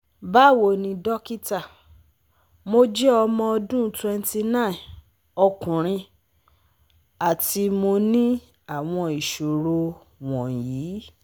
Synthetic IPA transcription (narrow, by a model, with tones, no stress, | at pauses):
ba˦˨wo˨nĩ˧dɔ˦ki˦ta˦˨ | mo˦d͡ʒɛ˦ɔ˧mɔ̃˧ɔ˧dũ˦twɛ˧n˦ti˧nã˦˨ | ɔ˧kũ˨ɾ̃ĩ˧ | a˨ti˧mo˧nĩ˦ | a˨w̃ɔ̃˧i˨ʃo˨ɾo˧ | w̃ɔ̃˨jiː˨˦